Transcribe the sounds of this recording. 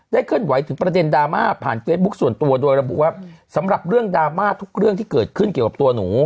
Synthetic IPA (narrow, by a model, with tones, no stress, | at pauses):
daː˥˩jkʰɯ˥˩ənwa˩˦jt̪ʰɯ˩˦ŋpɾa˧de˧ndaː˧maː˥˩pʰa̰ː˨˩nfeː˦˥t̪̚bu˦˥k̚su˨˩ənt̪u˧ɐdoː˧jɾa˧bṵ˨˩ʔwaː˥˩sa˩˦mɾa˨˩p̚ɾɯ˥˩əŋdaː˧maː˥˩t̪ʰu˦˥k̚ɾɯ˥˩ŋt̪ʰiː˥˩kɤː˨˩t̪̚kʰɯ˥˩nki˨˩əka˨˩t̪u˧ɐnuː˩˦